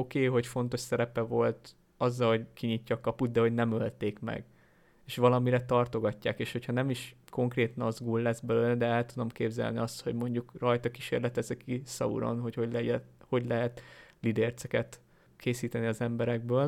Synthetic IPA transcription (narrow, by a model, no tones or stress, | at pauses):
o̞keːɦo̞cfo̞nt̪o̞ʃsɛɾɛpɛvo̞lt̪ | ɒzːɒlho̞ɟkiɲicːɒkɒput̪̚d̪ɛɦo̞ɟnɛmølt̪eːkmɛ̰ɡ | eːʃʋɒlɒmiɾɛt̪ɒrt̪o̞ɡɒcːa̰ːkeːʃho̞chɒnɛmiʃko̞ŋkreːt̪ɒnɒzɡulːɛzbɛløːlɛd̪ɛɛlt̪ud̪o̞mkeːbzɛ̰lniɒst̪ho̞̰ɟmo̞ɲɟukrɒjt̪ɒkiʃḛːrlɛt̪ɛzɛkisɒ̰ṵɾo̞̰nɦo̞cho̞ɟlɛɛho̞ɟlɛɦɛt̪lid̪ɛrt̪sɛkɛt̪ | kʰeːsiːt̪ɛniɒzɛmbɛɾɛɡ̚bøːl